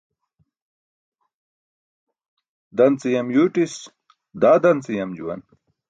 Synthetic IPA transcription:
d̪ɐnt͡sijɐmjuʈis | d̪aːd̪ɐnt͡sijɐmd͡ʑṵwɐ̰n

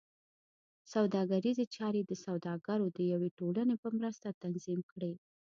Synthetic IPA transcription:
sawd̪ɑɡaɾizet͡ʃɑɾed̪əsawd̪ɑɡaɾod̪əjaweʈolənepəmɾəst̪at̪anzimkɽe

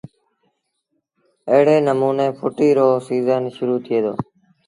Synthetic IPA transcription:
əɦɽeːnəmuːneːpʰʊʈiːɾoːsiːzənʃʊɾuːt̪ʰɪeːd̪o̰ː

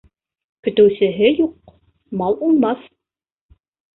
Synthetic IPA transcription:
kɵ̆t̪ɵ̆wsɘ̆ɦɘjuq | mɑlˠulˠmɑθ

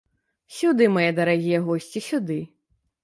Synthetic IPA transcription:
sʲud̪ɨmajɛd̪ɐɾaɣʲijɛɣɔsʲt͡sʲisʲud̪ɨ

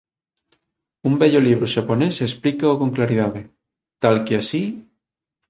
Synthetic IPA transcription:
umbɛʎoliβ̞ɾoʃaponesesplikaokoŋklaɾið̞aðe | t̪alkeasi

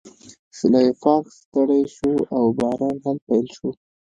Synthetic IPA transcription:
sɪlɑjfɑkst̪aɽajʃuawbɑɾɑnɦalpajlʃu

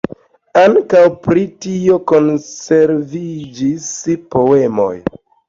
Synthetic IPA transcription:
aŋkawpɾitio̞ko̞nse̞ɾvid͡ʒispo̞e̞mo̞̰j

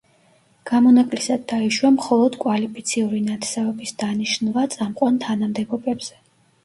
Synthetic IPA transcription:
ɡ̥amɔnakʼlisad̪ːaiʃwamχɔlˠɔd̪kʼwalipʰit̪sʰiuɾinat̪ʰsɛvɛbisd̪aniʃnvat̪sʼamqʼwant̪ʰanamd̪ɛɡɔbɛbz̥ɛ

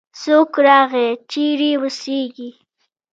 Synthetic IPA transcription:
sokɾɑːɣet͡ʃiɾiwəseɡi

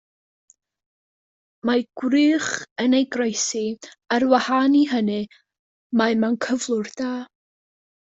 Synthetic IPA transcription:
maɡ̥wrɨːχənejɡrejsiərwahaniɦənɨ | maɨmankʰəvlˠʊrd̥aː

